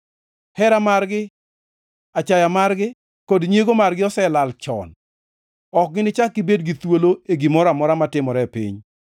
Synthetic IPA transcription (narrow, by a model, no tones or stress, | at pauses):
hɛɾamarɡɪ | at͡ʃajamarɡɪ | kodɲeɡomarɡɪɔsɛlalt͡ʃɔ̰n | ɔk̚ɡɪnɪt͡ʃakːɪbedɡit̪woloeɡimɔɾamɔɾamatɪmɔɾɛpḭɲ